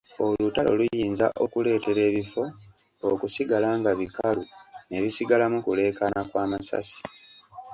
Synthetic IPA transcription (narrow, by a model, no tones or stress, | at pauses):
o̞lutalo̞̰lujjiːnza̰ʔo̞kule̞ːte̞ɾe̞ːβifo̞ | okusiɡalaːŋɡaβikalune̞βisiɡalamukule̞ːkanakwaːmasa̰si̥